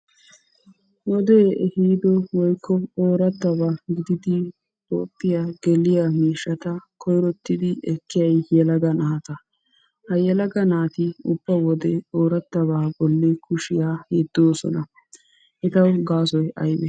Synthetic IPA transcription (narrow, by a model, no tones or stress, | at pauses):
wɔd̪ehiːd̪ɔwɔjkʰːɔoːɾɐt̪ːɐβaɡɪd̪ɪd̪ɪ | to̰ːpʼːɪjaɡ̥ɛlɪjamiːʃːɐt̪ɐkʰɔjɾɔt̪ːɪd̪ɪɛkːɪjɐjjɛlɐɡɐnaːt̪ɐ | hɐjɛlɐɡɐnaːt̪ɪʊb̥ːɐwɔd̪ɛoːɾɐt̪ːɐβaːbɔlːɛkʊʃɪjaːhɛd̪̥ːoːsɔ̰nɐ | ʔɪt̪ɐwɡaːsɔjɐ̰jbɛ